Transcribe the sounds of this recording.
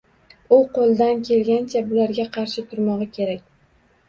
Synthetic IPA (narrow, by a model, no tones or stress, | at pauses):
ʊqʰolˠd̪ankʲʰe̞lɡʲant͡ʃʰabʊlaɾɡʲaqʰɑɾʃɪt̪ʰʊɾmɒʁɑkʲʰe̞ɾak̚ʲ